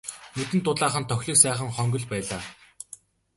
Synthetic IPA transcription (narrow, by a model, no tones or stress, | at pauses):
nɵt̪ɘ̆nt̪ʊɮaːχə̆nt̪ʰɔxʲɮĭːksæːχə̆ŋχœŋɡɵ̆ɮpæːɮaː